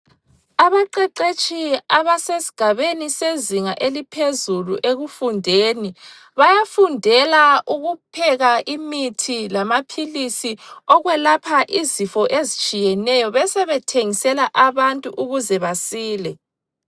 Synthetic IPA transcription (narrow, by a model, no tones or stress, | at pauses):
aβaǃɛǃet͡ʃʼiaβasesi̥ɡ̥ʱaβeniseziŋaʔelipʰezuluʔeɣufundʱeːni | βajafundʱɛlaʔuɣupʰɛɣaʔimitʰilamapʰilisiɔɣwɛlapʰaʔizifɔʔezit͡ʃʼijɛnɛjɔβɛsɛβɛtʰeŋisɛlaʔaβantʼuʔuɣuzɛβasiːlɛ